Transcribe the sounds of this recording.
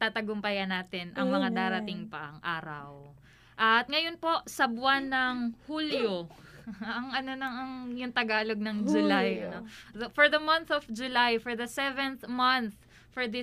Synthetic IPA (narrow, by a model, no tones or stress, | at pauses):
t̪aːt̪ɐɡʊmpɐjɐnaːt̪ɪnʔɐŋmɐŋad̪aːɾɐt̪ɪŋpɐʔɐŋʔaːɾɐ̰w | ʔɐt̪̚ŋɐjo̞npo̞ʔsɐbwanːɐŋhuljo | ɐŋʔɐno̞nɐŋɐŋjʊŋt̪ɐɡaːloɡ̚nɐŋd͡ʒʊlajɐnoɐfɔɹðɐmɐnθɔfd͡ʒʊlajfɔɹðɐsɛvɛnθmɐnθ | fɔɹd̪ɪ